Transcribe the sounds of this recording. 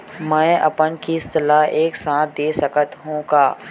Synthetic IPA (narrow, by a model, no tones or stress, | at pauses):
mɛ̃ːɐpənkist̪əlaɦeːksãːt̪̚ʰd̪eːsəkət̪ɦũːɡaː